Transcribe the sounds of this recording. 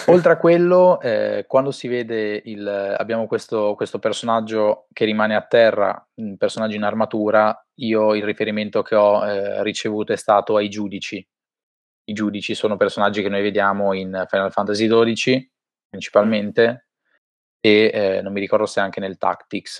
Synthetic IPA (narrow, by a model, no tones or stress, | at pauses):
olt̪ɾeakwelːoɛ̰kwand̪osiveːd̪eila̰bːjaːmokwest̪okwest̪opersonad͡ʒːok̟erimaːneat̪ːɛrːa̰ | umpersonad͡ʒːiinarmat̪uːɾa | iːoilrifeɾiment̪ok̟ʰeɔɛrit͡ʃevuːt̪oɛst̪aːt̪oajd͡ʒuːd̪it͡ʃi | id͡ʒuːd̪it͡ʃisoːnopersonad͡ʒːikenojved̪jaːmoinfajnalfant̪azid̪oːd̪it͡ʃi | pɾint͡ʃi̥palment̪e | eɛnːomːiɾikɔrd̪oseaŋk̟enelt̪a̰kt̪iks